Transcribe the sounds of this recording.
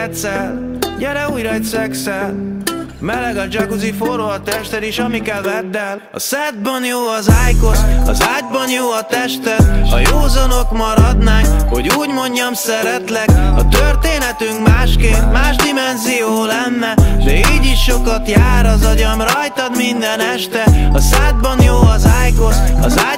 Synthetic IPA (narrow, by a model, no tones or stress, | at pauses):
t̪sɛl | ɟɛɾɛuːjrɒjt̪sɛksɛl | mɛlɛɡɒd͡ʒɒɡuzifoɾoɒt̪ɛʃt̪ɛd̪iʃɒmikɛlvɛt̪ːɛl | ɒ̰sɛd̪̚bɒnjoːɒzaːjko̞t̪ɒ̰zaːɟ̚bɒnjoːɒt̪ɛʃt̪ɛt̪ʃɒ̰joːzɒno̞kmɒɾɒd̪naːkho̞ɟuːɟmo̞ɲɟɒmsɛɾɛt̪lɛkɒt̪ørt̪eːnɛt̪yŋkmaːʃkeːnt̪maːʒd̪imɛnzijoːlɛnːɛd̪ɛiːɟiʃʃo̞kɒt̪jaːɾɒzɒɟɒmrɒjt̪ɒd̪mind̪ɛnɛʃt̪ɛɒsɛd̪̚bɒnjoːɒzaːjkosɒzaː